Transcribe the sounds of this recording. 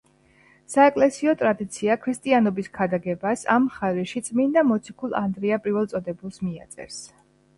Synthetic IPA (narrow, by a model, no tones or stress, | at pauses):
saɛkʼlɛsiɔt̪ʼɾad̪it̪sʰiakʰɾist̪ʼianɔbiskʰad̪aɡɛbasa̰mχaɾiʃit̪sʼmind̪amɔt̪sʰikʰulˠa̰nd̪ɾiapʼɾiɾvɛlˠsʼɔd̪ɛbulˠsmia̰t̪sʼɛ̰ɾs